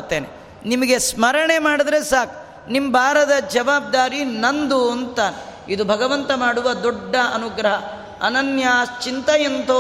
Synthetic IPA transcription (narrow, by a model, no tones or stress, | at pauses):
t̪ːeːnḛ | nimɐɡesmɐɾɐɳemaːɽid̪ɾe̞saːk | nimbʱaːɾɐd̪ɐd͡ʒɐʋaːb̚d̪aːɾinɐnd̪uɐnt̪aːne | id̪ubʱɐɡɐʋɐnt̪ɐmaːɽuʋɐd̪oɖːɐɐnuɡɾɐɦɐ | ɐnɐnjat͡ʃint̪ɐjɐnt̪oː